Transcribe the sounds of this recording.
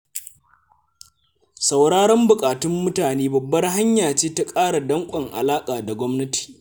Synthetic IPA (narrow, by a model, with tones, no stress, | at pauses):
sɐ˨wɽaː˦ɽɐ˦mbʊ˨kʼaː˨tʊ˦mːʊ˦taː˨neː˦bɐ˨bːɐ˦rɦa˦ɲjaː˨t͡ʃeː˦ta˦kʼaː˦ɽa˨dɐ˦ŋkʷʼɐ˨ŋʔa̰˨laː˦kʼaː˨da˨ɡʷɔ˦mnɐ˦ti̥ː˨